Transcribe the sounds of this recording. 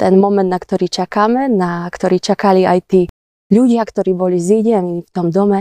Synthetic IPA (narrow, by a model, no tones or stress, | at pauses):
t̪ɛnmɔmɛnd̪nakt̪ɔɾiːt͡ʃakaːmɛnakt̪ɔɾiːt͡ʃakaliajt̪iː | ʎuɟɪakt̪ɔɾiːbɔliziɟɛnift̪ɔmd̪ɔmɛ